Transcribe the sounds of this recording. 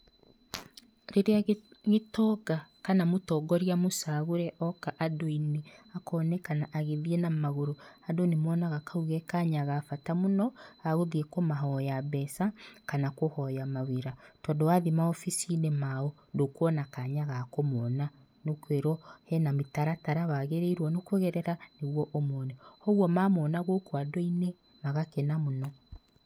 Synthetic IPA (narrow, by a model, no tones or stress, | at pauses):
ɾeɾeaɣetɔɡakanamotɔɡɔɾjamosaɣoɾɛʔɔkaʔadoineakɔnɛkanaʔaɣeðienamaɣoɾoadonemɔːnaɣakauɣɛkaɲaɣafatamonɔaɣoðiekɔmaɦɔjaβɛsakanakohɔjamaweɾatɔdowaðimaɔfisinemaɔ | ndokwɔnakaɲaɣakomɔna | nokweɾɔhɛnamitaɾataɾaβaɣeɾeiɾwɔnokoɣɛɾɛɾaneɣwɔʔomɔnɛhɔɣwɔmamɔnaɣokwadoine | maɣakɛnamonɔ